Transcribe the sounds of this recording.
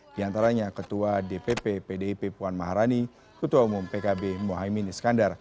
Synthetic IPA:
d̥iant̪aɾaɲakət̪uadepepepedeipepuanmaɦaɾani | kət̪uaumumpekabemoɦaiminisə̥kandar

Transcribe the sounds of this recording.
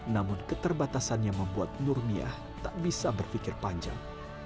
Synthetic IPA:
namʊnkət̪ərbat̪asanɲaŋməmbuat̪̚nurmia̰h | t̪aʔbisabərfikɪrpaɲd͡ʒa̰ŋ

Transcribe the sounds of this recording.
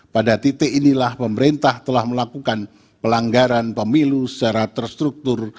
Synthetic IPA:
padat̪et̪eʔinilahpəməɾent̪aht̪əlahməlakukan | pəlaŋɡaɾanpəmilusə̥t͡ʃaɾat̪ərst̪ɾuk̚t̪ʊr

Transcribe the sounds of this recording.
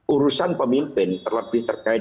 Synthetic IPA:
uɾusanpəmimpɪnt̪ərləbɪht̪ərkaɪ

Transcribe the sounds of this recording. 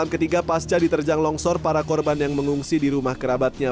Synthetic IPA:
amkət̪iɡapast͡ʃadit̪ərd͡ʒaŋlɔŋsɔrpaɾakɔrbanjaŋməŋuŋsidiɾumahkəɾabat̪̚ɲa

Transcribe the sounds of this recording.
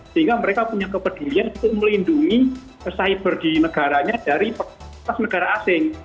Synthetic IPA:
səɦiŋɡaməɾekapuɲakəpəd̪̥ulianit̪ʊʔməlinduŋi | əsaɪbərd̥inəɡ̥aɾaɲad̥aɾipət̪asnəɡ̥aɾaasɪŋ

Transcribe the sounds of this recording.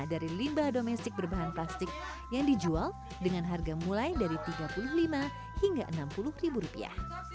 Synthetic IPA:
daɾilimbahdomɛst̪ɪk̚bərbaɦanplast̪ɪk̚ | jaŋdid͡ʒual | dəŋanɦarɡamulajdaɾit̪iɡapulʊhlima | hiŋɡaʔənampulʊhribuɾupia̰h

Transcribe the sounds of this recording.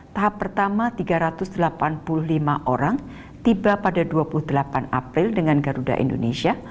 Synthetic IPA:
t̪aɦapːərt̪amat̪iɡaɾat̪ʊsdəlapanpulʊhlimaʔoɾaŋ | t̪ibapadaduapulʊhdəlapanapɾɪldəŋanɡaɾuda̰ʔḭndo̰nesia

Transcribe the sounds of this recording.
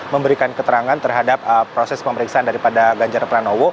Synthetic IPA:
məmbəɾikankət̪əɾaŋant̪ərɦadap̚əpɾosɛspəməɾiksaandaɾipadaɡaɲd͡ʒarplanowo

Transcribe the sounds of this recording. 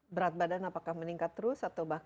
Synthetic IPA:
bəɾat̪̚badanapakahməniŋkat̪ːəɾʊsat̪awbak

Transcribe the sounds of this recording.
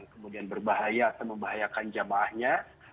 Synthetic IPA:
ŋkəmudianbərbaɦajaːt̪awməmbaɦajakand͡ʒamaːhɲa

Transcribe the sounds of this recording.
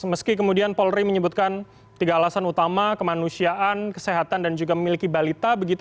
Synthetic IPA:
əməskik̬əmudianpɔlɾiməɲəbut̪̚kan | t̪iɡaːlasanut̪amakəmanusiaʔankə̥seɦat̪andand͡ʒuɡaməmilikibalit̪abəɡit̪

